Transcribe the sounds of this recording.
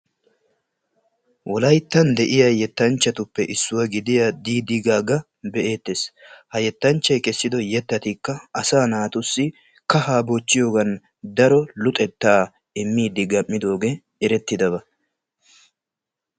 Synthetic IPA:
wʔɔlɐjt̪ːɐnd̪ɛʔɪjɐjɛt̪ːɐnt͡ʃːɐt̪ʊpːɛʔɪsːʊwɐɡɪd̪ɪjɐd̪iːd̪ɪɡaːɡɐ | bɛʔe̞ːt̪ːeːshɐjɛt̪ːɐnt͡ʃːɐjkɛsːɪd̪ɔjɛt̪ːɐt̪ikːɐɐsaːnaːt̪ʊsːɪ | kɐhaːboːt͡ʃːɪjo̞ːɡɐn | d̪ɐɾɔlʊt̪ʼɛt̪ːaː | ɪmːiːd̪ɪɡɐmːɪd̪o̞ːɡɛ | ɪɾɛt̪ːɪd̪ɐβɐ

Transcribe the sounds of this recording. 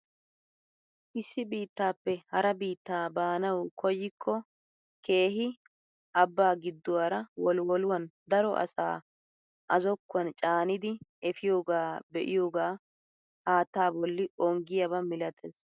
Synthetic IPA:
ʔɪsːɪbiːt̪ːaːpːɛhɐɾɐbiːt̪ːaːbaːnɐwkʰɔjːɪkʰːɔ | ke̞ːɦɪ | ʔɐbːaːɡɪd̪ːʊwaːɾɐwɔlwɔlʊwɐnd̪ɐɾɔʔɐ̰sa̰ː | ʔɐzɔkːɐnt͡ʃʼaːnɪd̪ɪɛfɪjo̞ːɡaːbɛʔɪjoːɡaː | haːt̪ːaːbɔlːɪɔŋɡɪjɐbɐmɪlɐt̪ʰeːs

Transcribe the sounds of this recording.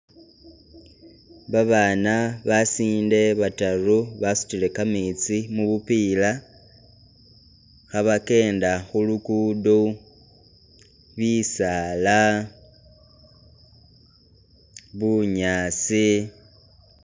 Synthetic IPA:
βaβaːnaβasiːnde̞βataruβasu̥tile̞kamit͡simuβupiːla | xaβake̞ːndaxulukudo | βisala | βuɲaːt͡si

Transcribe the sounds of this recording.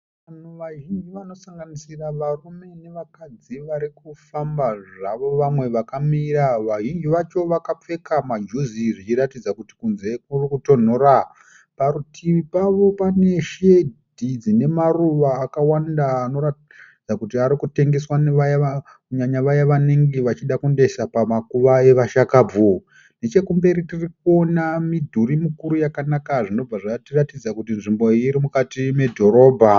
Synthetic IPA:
ʋan̤uʋaʒind͡ʒiʋano̞saŋɡanisiraʋarume̞ne̞ʋakad͡ziʋaɾikufambaʐaʋo̞ʋamwe̞ʋakamiːɾaʋaʒind͡ʒiʋat͡ʃo̞ʋakap͡fe̞kamad͡ʒuziʐit͡ʃiratid͡zakuti̥kunzekurikuto̞n̤o̞ɾa | paɾutʰiʋipaʋo̞pane̞ʃedʱid͡zine̞maruʋaːkawandaːno̞ra | d͡zakutiaɾikute̞ŋɡe̞swaneʋajaa | kuɲaɲaʋajaʋaneŋɡeʋat͡ʃiɗakunde̞sapamakuʋae̞ʋaʃakaːbu | ne̞t͡ʃe̞kumbe̞ɾitirik̚uo̞namidʱuɾimukuɾujakanakaʐino̞b͡vaʐatiratid͡zakutinʐimbo̞iːɾimukatime̞dʱo̞ɾo̞ːbʱa

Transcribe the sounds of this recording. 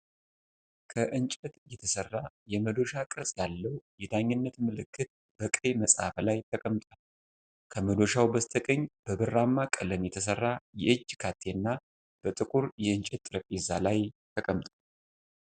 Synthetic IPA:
kʰəʔɨnt͡ʃʼɛt̪jɛt̪ʰəsərːajɛməd̪o̞ʃakʼɨɾsʼjalːəwjɛd̪aɲːɨnːət̪mɨlɨkʰːɨt̪̚ | b̥əkʼeməsʼa̰flajt̪ʰəkʼəmt̪ʼal | kʰəməd̪o̞ʃawbəst̪ʰəkʼəɲːb̥əbɨrːamːakʼələmjɛt̪ʰəs̬ərːajɛʔɨd͡ʒkʰat̪ʰːenːa | b̥ət̪ʼɨkʼuɾjɛɨnt͡ʃʼɛt̪ːʼɾəpʼizalajt̪ʰəkʼəmt̪ʼa

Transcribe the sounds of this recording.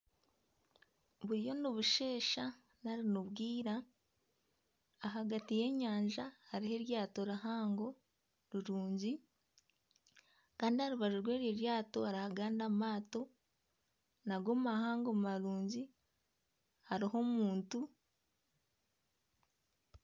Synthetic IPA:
βuɾijo̞niβuʃe̞ːʃa | naɾinuβɡiːɾa | ɦaɡatije̞ɲaːɲʒahaɾiɦe̞ɾjaːto̞ɾaɦaːŋɡo̞ | ɾiɾuːɲɟi | kaːndihaɾuβaʒuɾwe̞ːɾjeɾjaːto̞aɾahaɡaːndamaːto̞ | naɡomumahaːŋɡo̞mumaɾuːɲɟi | haɾiɦo̞muːntu

